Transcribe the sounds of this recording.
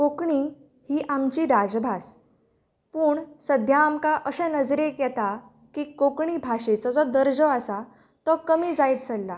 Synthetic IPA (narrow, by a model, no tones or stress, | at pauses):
kokɳiː | hiːʔamt͡ɕiːɾad͡zbʱas | puːɳsəd̪ʱjaːmkaʔəsɛ̃nəd͡zɾekjɛt̪a | kiːkokɳiːbʱaɕet͡sɔd͡zɔd̪əɾd͡zɔasa | t̪ɔkəmiːd͡zajt̪̚t͡səlːa